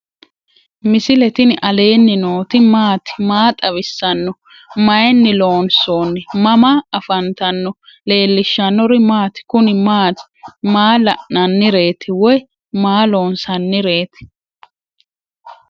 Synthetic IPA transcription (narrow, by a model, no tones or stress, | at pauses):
mɪsɪlɛt̪ɪnɪʔɐle̞ːnːɪnoːt̪ɪmaːt̪ɪ̥maːt̪ʼɐβɪsːɐnːɔ | mɐjnːɪlo̞ːnso̞ːnːɪmɐmaɐfɐnt̪ɐnːɔle̞ːlːɪʃːɐnːɔɾɪmaːt̪ɪ̥kʊnɪmaːt̪ɪ̥maːlɐʔnɐnːɪɾe̞ːt̪ɪwɔj | maːlo̞ːnsɐnːɪɾe̞ːt̪ɪ̥